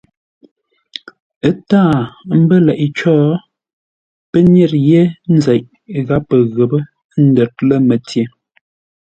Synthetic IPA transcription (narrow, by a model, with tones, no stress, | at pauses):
ə˦taː˦˨m̩˦bə˦lɛ˨ʔi˨t͡ʃɔː˦ | pə˦ɲe˦˨ɾje˦n̩˦zɛ˨ʔ | ɣa˦pːə˨ɣə˨bə˦ | n̩˦də˨t̚lə˦mə˨tje˨